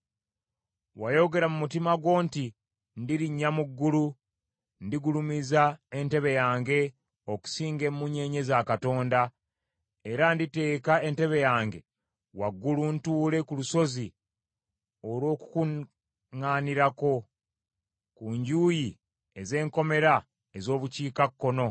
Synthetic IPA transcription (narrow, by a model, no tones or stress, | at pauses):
wajo̞ɡe̞ɾamumutimaɡwo̞ːnti | ndiɾiɲːamuɡːulu | ndiɡulumizae̞nte̞βe̞jaːŋɡe̞ | o̞ku̥siːŋɡe̞mːuɲe̞ɲezakato̞ːnda | eɾandite̞ːkae̞nte̞βe̞jaːŋɡe̞ | waɡːuluntuːle̞kuluso̞zi | o̞lwo̞ːku̥ku | ŋaːniɾako̞ | kuːɲɟuːji | e̞ze̞ːŋko̞me̞ɾa | e̞zo̞ːβuciːkakːo̞no̞